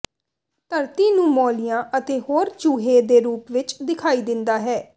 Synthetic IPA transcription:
t̪əɾt̪iːnũːmɔːlɪjãːʔət̪eːhoːɾt͡ʃuːɦeːd̪eːɾuːpʋɪt͡ʃd̪ɪkʰaːiːd̪ɪnd̪aːɦɛː

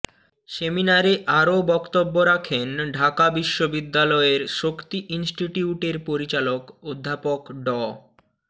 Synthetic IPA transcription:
seminaɾeʔaɾobɔkt̪obːoɾakʰenɖʱakabiʃːobid̪ːalɔeɾʃokt̪iʔinsʈiʈiuʈeɾpoɾit͡ɕalokod̪ʱːapokɖɔ

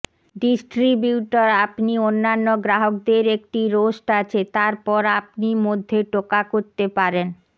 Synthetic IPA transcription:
ɖisʈɾibjuʈaɾapnionːanːoɡɾaɦok̚d̪eɾek̚ʈiɾoʃʈat͡ɕʰet̪aɾpɔɾap̚nimod̪ʱːeʈokakoɾt̪epaɾen

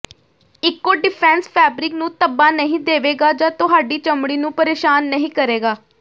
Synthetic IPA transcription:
ɪkːoːɖɪpʰɛ̃ːnspʰɛːbɾɪknũːt̪əbaːnəɦĩːd̪eːʋeːɡaːd͡ʒãːt̪ʊɦaːɖiːt͡ʃəmɽiːnũːpəɾeːʃaːnːəɦĩːkəɾeːɡaː

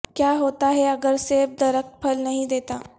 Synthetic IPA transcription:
kjaːɦoːt̪aɦɛɐɡəɾseb̚d̪ɐɾək̚t̪̚pʰɐlnɐɦĩd̪eːt̪aː

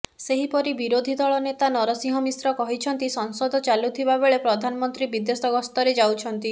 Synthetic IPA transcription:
seɦipɔɾibiɾod̪ʱid̪ɔɭɔnet̪anɔɾɔsĩɦɔmisɾɔkɔɦit͡ʃʰɔnt̪isɔŋsɔd̪ʱɔt͡ʃalut̪ʰibabeɭepɾɔd̪ʱanɔmɔnt̪ɾibid̪esɔɡɔst̪ɔɾed͡ʒawt͡ʃʰɔnt̪i

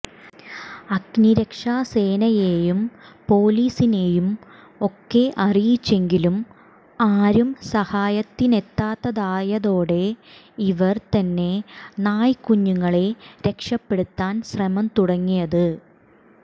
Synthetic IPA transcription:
ɐɡniɾekʂaːse̞ːnɐjeːjumpo̞ːliːsine̞ːjum | o̞kːe̞ʔɐrijit͡ɕːe̞ŋɡilum | aːɾumsɐhaːjɐt̪ːine̞t̪ːaːt̪ːɐðaːjɐðo̞ːɽe̞ | iʋɐrt̪ɐnːe̞naːjkuɲːuŋːɐɭeɾe̞kʂɐpːe̞ɽut̪ːaːnsrɐmɐmt̪uɽɐŋːijɐðɨ

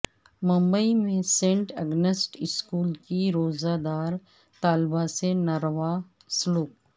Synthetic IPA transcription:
mʊ̃mbəimẽsẽːɳʈɐ̰ɡnəsʈɪskuːlkiɾoːzaːd̪aːɾ | t̪aːlbasenɐɾʋa | sluːk

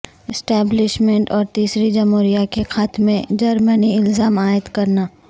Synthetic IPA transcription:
ɪsʈɛːblɪʃmẽɳʈɔːɾt̪iːsɾid͡ʒɐmɦoːɾijakexaːt̪mẽd͡ʒɐɾməniɪlzaːmaːɪt̪kɐɾnaː

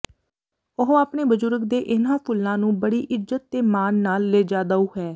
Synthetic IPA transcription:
ʊɦaːpɳeːbəzʊɾɡ̚d̪eːʔɪnãːpʰʊlːãːnũːbəɽiːʔɪzət̪ːeːmaːnːaːlːeːd͡ʒaːd̪aːuːɦɛː

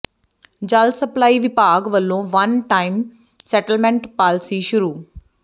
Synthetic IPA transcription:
d͡ʒaːlsɐplaːiːʋɪpaːɡʋəlːõːʋɐnʈaːim | sɛːʈəlmɛ̃ɳʈpaːlsiʃʊɾuː

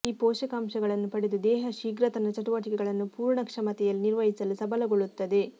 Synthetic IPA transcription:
iːpɔːʃɐkaːmʃɐɡɐɭɐnːupɐɽed̪ud̪ɛːɦɐʃiːɡɾɐt̪ɐnɐt͡ʃɐʈuʋɐʈikɛɡɐɭɐnːupuːɾɳɐkʂɐmɐt̪ɛjɐlːiniɾʋɐɦisɐlusɐbʱɐlɐɡo̞ɭut̪ːɐd̪e̞

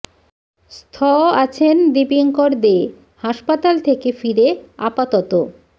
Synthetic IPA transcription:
st̪ʰɔat͡ɕʰend̪ipiŋkoɾd̪e | haʃpat̪alt̪ʰekefiɾeapat̪ɔt̪o

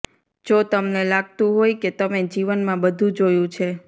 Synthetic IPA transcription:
d͡ʒot̪əmnelaɡ̚t̪ũɦojket̪əmed͡ʒiʋənmãbəd̪ʱũd͡ʒojũt͡ʃʰe

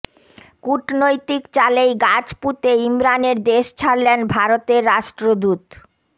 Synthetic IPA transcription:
kuʈnojt̪ikt͡ɕalejɡad͡ʑput̪eimɾaneɾd̪eʃt͡ɕʰaɾlenbʱaɾot̪eɾːaʃʈɾod̪ut̪

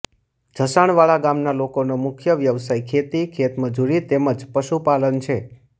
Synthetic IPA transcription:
d͡ʒʱəsaɳ̃ʋaɭaɡamnalokonomʊkʰjəʋjəʋsajkʰet̪ikʰet̪məd͡ʒuɾit̪eməd͡ʒpəʃupalənt͡ʃʰe

